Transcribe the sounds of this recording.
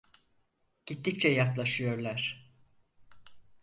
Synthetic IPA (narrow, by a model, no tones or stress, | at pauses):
ɟ̥it̪ʰːic̚t͡ʃʰɛjak̪lˠaʃɯjo̞ɾlˠaɾ̥